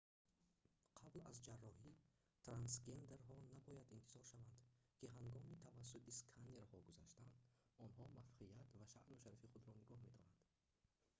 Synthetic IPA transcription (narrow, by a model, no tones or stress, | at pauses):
qʰablazd͡ʒarːɔhi | t̪ʰɾansɡe̞nd̪e̞ɾɦɔnabɔjad̪int̪ʰiz̥ɔɾʃavand̪kʰiɦaŋɡɔmit̪ʰavas̬ːut̪iskʰaneɾhɔɡuzaʃt̪and̪ɔnhɔmafqʰijat̪vaʃa̰ʔnuʃaɾifiχud̪ɾɔniɡɔhme̞d̪ɔnand̪̥